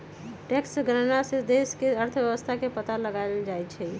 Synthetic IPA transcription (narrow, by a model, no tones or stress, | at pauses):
ʈeksɡɾənased̪eskeəɾt̪ʰʋjəwəst̪ʰakepət̪aləɡaɪld͡ʒajt͡ʃʰɛ